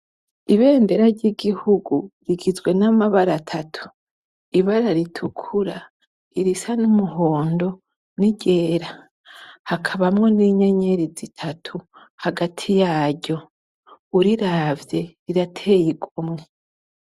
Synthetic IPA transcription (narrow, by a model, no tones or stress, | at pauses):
iβe̞ːnde̞ɾaɾɟiɡihuɡuɾiɡizɡwe̞namaβaɾatʰatʰu̥ | iβaɾaɾitʰukʰuɾa | iɾisanumuɦo̞ːndo̞ | niɟe̞ːɾa | hakʰaβamŋo̞niːɲe̞ɲe̞ɾizitʰatʰu | haɡatʰijaːɾɟo̞ | uɾiɾaːvje̞ɾiɾatʰejiɡomŋe̞